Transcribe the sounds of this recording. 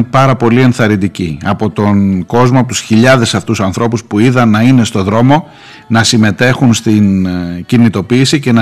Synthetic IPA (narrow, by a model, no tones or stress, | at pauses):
pɐɾɐpo̞lie̞nθɐɾind̪iciɐpo̞t̪o̞nɡo̞zmoɐpot̪usçiʎɐðe̞sɐft̪usɐnθɾo̞puspuiðɐnːɐine̞st̪o̞ðɾo̞mo̞ | nɐsime̞t̪e̞xunst̪incinit̪o̞piːsice̞nɐ